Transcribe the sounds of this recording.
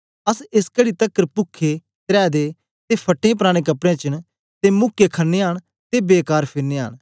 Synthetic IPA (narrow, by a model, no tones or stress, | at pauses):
ɐsɪskəɽit̪ɐkːəɾpʊkʰːe | t̪ɾɛːd̪e | t̪epʰɐʈːẽp̬ɾaːɽ̃ekɐpɽẽːt͡ʃəɽ | t̪emʊkːekʰɐnːeaɽ | t̪ebeːkaːɾpʰɪɾneːə̰ɽ̃